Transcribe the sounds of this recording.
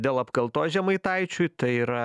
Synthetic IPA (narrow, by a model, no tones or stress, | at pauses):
d̪ʲeːlˠɐpkɐlˠt̪oːʒʲɛmɐɪt̪ɐɪt͡ʃʲuːt̪ɐɪiːɾɐ